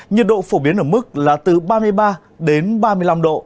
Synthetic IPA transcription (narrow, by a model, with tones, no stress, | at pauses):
ɲi˨˩t̚ɗo̰˧˨fo˧˩ɓi˨˦ənʔəː˧˩mɨ˦˥k̚laː˨˩t̪ɨ˨˩ɓaː˧mɨ˧əjɓaː˧ | ɗe˨˦nɓaː˧mɨ˧əjla˧mɗo̰˧˨